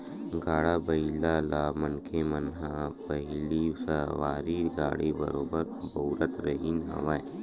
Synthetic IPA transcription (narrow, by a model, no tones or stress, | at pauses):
ɡaːɽabɐilalaːmɐnkʰemənɦapɐɦlisɐʋaːɾiɡaːɽibɐ̰ɾoːbəɾ | bɐːɾət̪ɾɐɦiːnɦɐ̰ʋaː